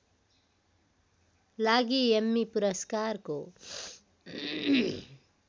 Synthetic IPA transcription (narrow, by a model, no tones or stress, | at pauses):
laːɡiemːipuɾɐskaːɾko